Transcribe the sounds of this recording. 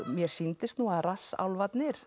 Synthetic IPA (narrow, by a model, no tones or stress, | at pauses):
mjɛɾ̥sint̪ɪst̪nuaðrasa̰wlvat̪nɪɾ̥